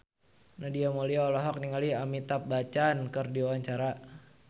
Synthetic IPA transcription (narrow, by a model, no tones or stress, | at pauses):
nahdiamoliaɔlɔɦɔk̚niŋaliamit̪ap̚bat͡ʃankərdiawaɲt͡ʃaɾa